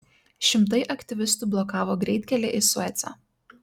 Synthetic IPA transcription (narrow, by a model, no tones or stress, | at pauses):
ʃʲɪmt̪ɐɪʔɐkt̪ʲɪʋʲɪst̪ʊˑblˠɔkɑːʋoːɡɾʲɛɪt̪ʲkʲɛlʲeʔɪsʊɛt̪sʲɑ̰ː